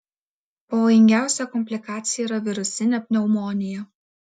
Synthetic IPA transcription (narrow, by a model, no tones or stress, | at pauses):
pɐʋoːjɪŋʲɡʲæˑʊsʲɛkɔmʲpʲlʲɪkɑːt̪sʲɪjɛiːɾɐʋʲɪɾʊsʲɪnʲɛpʲnʲɛʊmɔːnʲɪjɛ